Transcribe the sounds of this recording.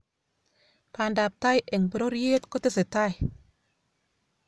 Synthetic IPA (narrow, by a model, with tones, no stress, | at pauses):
pʰaː˧˨ndaː˨p̚t̪a˦˧˨jʔe˨ŋbə˧ɾo˦ɾji˦t̪kɔ˦t̪i˦˨se˨t̪a˦˧˨j